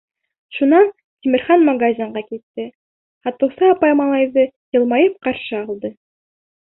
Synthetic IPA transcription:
ʃunɑn | t̪ʲimɘ̆ɾχɑnmɑɡazʲɑɴɢɑkit̪ːɘ | hɑt̪ɤ̆wsɤɑpɑjmɑlˠɑjðɤjɤ̆lˠmɑjɤp̚qɑɾʃɤɑlˠd̪ɤ

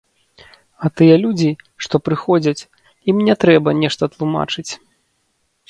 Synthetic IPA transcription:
ɐt̪ɨjɛlʲud͡zʲi | ʂt̪ɔpɾɨxɔd͡zʲɐt͡sʲ | imnʲɛt̪ɾɛbɐnʲɛʂt̪ɐt̪lˠuma̰t͡ʂɨt͡sʲ

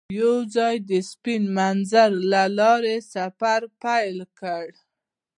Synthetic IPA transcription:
jawzɑjd̪əspinmanzaɾlalɑɾesafaɾpajlkəɽ

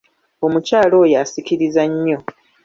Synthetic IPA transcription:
o̞mucaːlo̞ːjasiciɾizaɲːo̞

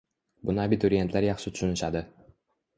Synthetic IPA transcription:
bʊnɪabit̪ʰʊɾie̞nt̪ʰlaɾjɑχʃɪt̪ʰʊ̥ʃʊnɪʃad̪ɪ

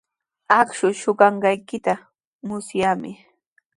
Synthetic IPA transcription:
akʃʊʃʊɢɑɴɢɑjkɪt̪a | mʊsjaːmɪ

